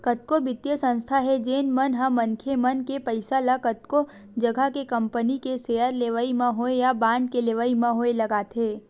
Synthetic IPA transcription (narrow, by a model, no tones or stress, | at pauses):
kət̪̚kobɪt̪jəsə̃nst̪ʰaɦɛd͡ʒeːnmɐnɦamɐ̃nkʰemɐnkepəɪsalakət̪̚ko | d͡ʒɐɡʱakekə̃mpənikeseːəɾleːʋəimãɦoejabãːɳɖkeleːʋaimãɦoelɐɡaːt̪eː